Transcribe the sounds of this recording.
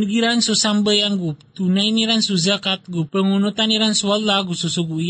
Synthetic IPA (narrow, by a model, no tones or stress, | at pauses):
nəɡiɾansosambəjaŋɡut̪unainiɾansuzakat̪̚ɡupəŋunut̪aniɾansuallaɡusosoɡui